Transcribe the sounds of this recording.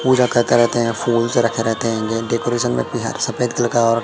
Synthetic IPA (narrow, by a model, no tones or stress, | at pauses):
puːd͡ʒʱakɐɾt̪eɾɛɦt̪eɦɛ̃fʰuːlseɾɐkʰeɾɛɦt̪eɦɛ̃ːŋɡeːɖeːkoːɾeːʃənmẽpɪɦa̰ːɾsɐpejd̪̚kəlkaɔːɾ